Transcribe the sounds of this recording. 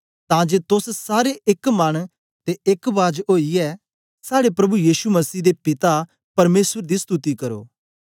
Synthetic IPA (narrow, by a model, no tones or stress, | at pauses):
t̪ãd͡ʒeːt̪ʊssaːɾeʔɪkmɐɽ̃ | t̪eɪkbaːd͡ʒɦoːiɛ | saːɽepɾɐbujiːsumɐsiːd̪epɪt̪a | pɐɾmeːsəɾd̪ist̪ut̪ikɐɾo̰ː